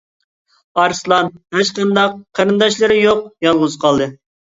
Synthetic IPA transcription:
ɑɾslˠɑnhæt͡ʃqɑnd̪ɑq̚ʰːɑɾɨnd̪ɑʃlˠɨɾɪjoqjɑlˠʁʊzɨqʰɑlˠd̪ɨ

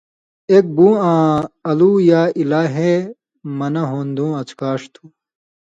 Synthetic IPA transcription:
eːk̚bũːãːɐluːjaːilaːɦe | mɐnɐɦoːnd̪ũːɐt͡skaːʂt̪ʰu̥

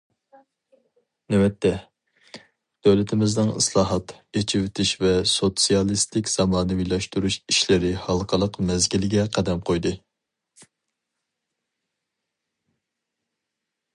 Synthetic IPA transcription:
nɛwɛt̪ʰːɛ | d̪̥øwlɪt̪ʰɪmɪznɨŋɨ̰slˠɑːɦɑt̪et͡ʃʰiwɪt̪ʰɪʃvɛsot̪sijɑlˠist̪ɪkʲz̥ɑmɑːnɨvilˠɑʃt̪uɾuʃiʃlɪɾɪhɑlˠqʰəlˠəqmɛzɡʲilɡʲɛqʰæd̪ɛmqʰojd̪ɨ

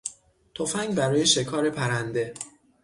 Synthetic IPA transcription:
t̪ʰofæŋɡbæɾɒːje̞ʃe̞kʰɒːɾe̞pʰæɾænd̪e̞

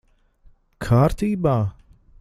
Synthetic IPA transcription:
kʰaːɾt̪iːbaː

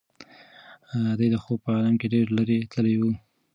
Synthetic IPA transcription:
d̪əjd̪əxopəɑlɑmkeɖeɾləɾet̪ʰəlewu

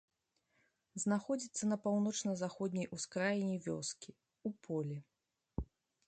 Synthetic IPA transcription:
znaxɔd͡zʲit̪sːɐnɐpawnɔt͡ʂnɐzaxɔd̪ʲnʲɐjuskɾajinʲɛvʲɔ̰skʲi | upʰɔlʲi

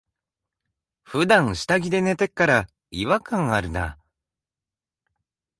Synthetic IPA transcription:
ɸɯ̟d̪ãɰ̃ɕi̥t̪aɡʲid̪e̞ne̞t̪e̞kːaɾa | iβakãŋaɾɯ̟na̰

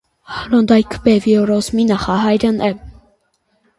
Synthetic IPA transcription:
hlɔnd̪ɑjkʰbɛviɔɾɔsminɑχɑɦɑjɾənʔɛ

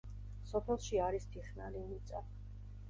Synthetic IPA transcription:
sɔpʰɛlˠʃiaɾist̪ʰiχnalinit̪sʼa

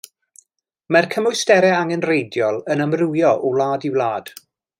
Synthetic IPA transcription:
markʰəmʊjstɛɾɛaŋɛnrejdjɔlˠənəmrujɔʔɔlˠaːdiwlˠaːd̥

